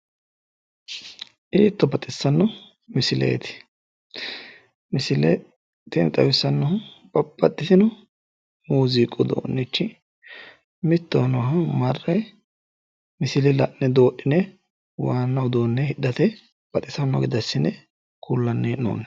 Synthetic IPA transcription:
ʔiːt̪ːɔbɐt̪ʼɪsːɐnːɔ | mɪsɪlḛːt̪ɪ̥ | mɪsɪle | t̪ɪnt̪ʼɐwɪsːɐnːɔhɐpʼɐpʼːɐt̪ːɪsɪnɔ | muːziːkʼːɔd̪o̰ːnːɛt͡ʃːɪ | mɪt̪ːoːnɔɦɐmɐrːɐj | mɪsɪlɪlɐʔːɛd̪o̞ːʔɪnɛ | waːnːɐwd̪o̞ːnːɛhɪdːɐt̪ɛ | b̥ɐt̪ʼɪsɐnːɔ̰ɡɪd̪ɐsːɪnɛ | kʰulːɐnːeːno̰ːnːɛ

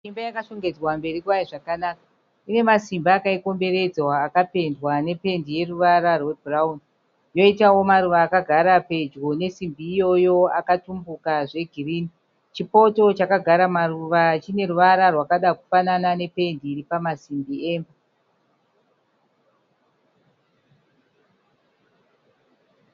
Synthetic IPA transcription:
simbajakaʃoŋɡe̞d͡zwambe̞ɾikuaiʐakanaka | ine̞masimbaːkaiko̞mbe̞ɾe̞d͡zwaːkape̞ndwane̞pe̞ndije̞ruʋaɾarwebraun | jo̞itawo̞maɾuʋaːkaɡʱaɾape̞d͡ʒɡo̞ne̞simbiːjo̞jo̞akatumbukaʐe̞ɡʱiriːni | t͡ʃipo̞to̞t͡ʃakaɡʱaɾamaɾuʋat͡ʃine̞ɾuʋaɾarwakaɗaku̥fananane̞pe̞ndiːɾipamasimbie̞ːmba

